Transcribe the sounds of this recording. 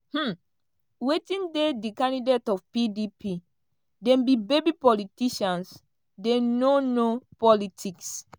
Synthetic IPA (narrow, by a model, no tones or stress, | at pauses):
hm̩ | wetĩndedikãndidetɔfpidipʰi | dɛ̃mbibebipɔlitiʃãns | denonopɔlitʰiks